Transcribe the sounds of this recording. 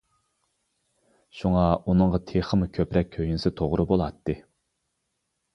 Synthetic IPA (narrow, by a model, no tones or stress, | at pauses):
ʃuŋɑunɨɴʁɑt̪ʰeχəmukʲʰøpɾɛk̚ʲkʲʰːøjnɪsɪt̪ʰoʁɾɨbolˠɑt̪ʰːɨ